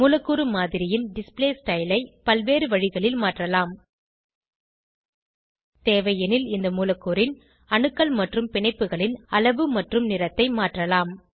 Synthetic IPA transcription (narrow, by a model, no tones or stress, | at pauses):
muːlɐkːuɾɯmaːðɪɾɪjɪnɖɪspleːsʈɐɪlɐɪpɐlʋeːɾɯʋɐɻɪɣɐɭɪlmaːʈrɐlaːm | t̪eːʋɐjɐnɪlɪnd̪ɐmuːlɐkːuɾɪn | ɐɳɯkːɐlmɐʈrɯmpɪɳɐɪpːɯɣɐɭɪnɐlɐʋɯmɐʈrɯmnɪɾɐt̪ːɐɪmaːʈrɐlaːm